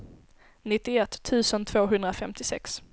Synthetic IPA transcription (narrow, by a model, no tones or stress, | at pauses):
nɪt̪ːɪɛt̪ʰːʉ̟ːsənt̪ʰvoːɦɵnd̪ɾafɛmt̪ɪsɛ̰ks